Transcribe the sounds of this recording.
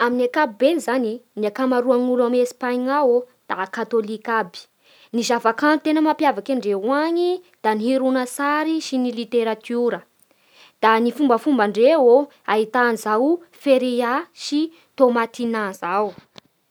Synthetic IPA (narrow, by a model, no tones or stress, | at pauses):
aminakabibenizaniniakamaɾuaŋulamespaɲŋawo | d̪̥akat̪olikabi̥ | nizavakanut̪enəmapjavakaɳɖ͡ʐewaɲid̪̥aniɦiɾunəsaɾiʃinilit̪eɾat̪uɾə | d̪̥anifumbəfumbaɳɖ͡ʐewo | aɦit̪anzawufeɾeaʃi | t̪omat̪inazaw